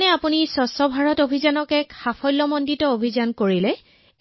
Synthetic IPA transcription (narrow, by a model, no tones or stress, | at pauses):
nɛapunisɔsɔbʱaɹɔtobʱizanɔkɛkxapʰɔjlːɔmɔnditɔobʱizankoɹilɛ